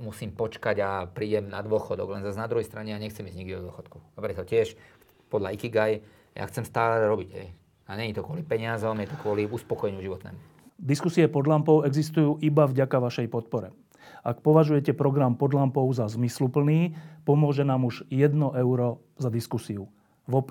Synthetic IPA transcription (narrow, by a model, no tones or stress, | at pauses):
musiːmpɔt͡ʃkaɟapɾiːɟɛmnad̪ʊɔxɔd̪ɔɡlɛnzaznad̪ɾuɦɛjst̪ɾaɲɛaɲɛxt͡sɛmiːzɲiɡd̪idɔd̪ʊɔxɔt̪ku̥apɾɛt̪ɔcɪɛʃ | pɔd̪laikiɡaj | ja̰xt͡sɛmst̪aːlɛɾɔbiɟɦɛ̰j | aɲɛɲit̪ɔkʊɔlipɛɲɪazɔmjɛt̪ɔkʋɔliuspɔkɔjɛɲuʒiʋɔt̪nɛ̰ːmu | d̪iskusiɛpɔd̪lampɔʊɛɡzist̪ujuːʔibavɟakaʋaʃɛjpɔt̪̚pɔɾɛ | ʔak̚pɔʋaʒujɛcɛpɾɔɡɾampɔd̪lampɔʊzazmislupl̩niːpɔmʊɔʒɛnaːmuʒjɛd̪nɔʔɛʊɾɔ | zad̪iskusiu | ʋɔp